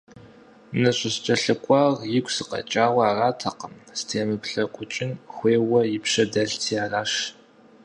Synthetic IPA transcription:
nɐɕʼɐst͡ʃʼɐɬɨkʷʼɑːrjɪkʷsɨqɐ̰t͡ʃʼaːwʷɐaːraːtʰɐqəmstʰeːmɨkʷɬɐkʷʼʊt͡ʃʼɪnxʷeːwɐjɪpʃɐdɐɮtʰiːaːraːʃ

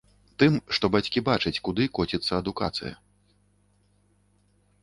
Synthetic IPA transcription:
t̪ɨmʂt̪ɔbat͡sʲkʲibat͡ʂɨt͡sʲkud̪ɨkɔt͡sʲit̪sːɐɐd̪uka̰t̪sɨ̰jɐ̰

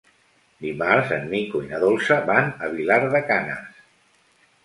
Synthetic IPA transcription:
d̪imaɾzə̰nmikuinəðolˠsəbanəβ̞ilaɾðəkanə̰s

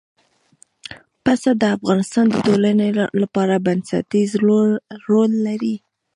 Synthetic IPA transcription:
pasad̪əafɣɑnɪst̪ɑnd̪ətolanelapɑɾabansa̰t̪iz | ɾolːaɾi

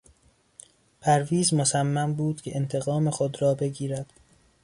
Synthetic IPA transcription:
pʰæɾviːzmosæmːæmbuːd̪̥cʲʰeʔent̪ʰe̞ɣɒːmexod̪ɾɒːbe̞ɟiːɾæd̪̥

